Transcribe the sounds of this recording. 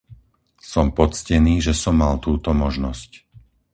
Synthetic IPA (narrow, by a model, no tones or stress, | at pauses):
sɔmpɔt͡scɛniːʒɛsɔmːalt̪uːt̪ɔmɔʒnɔsc